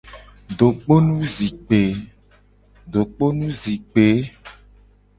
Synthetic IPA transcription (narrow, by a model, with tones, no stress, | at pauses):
ɖo˨k͡po˦nũ˦zi˨k͡pe˨˦ | ɖo˨k͡po˦nũ˦zi˨k͡pe˨˦